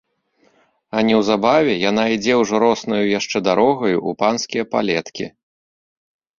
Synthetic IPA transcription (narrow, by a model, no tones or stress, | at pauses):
ɐnʲɛwzabavʲɛjan̪aid͡zʲɛwʐɔɾɔsnɐjujaʂt͡ʂɛd̪aɾɔɣɐjuʔupanskʲijɐpa̰lʲɛt̪kʲḭ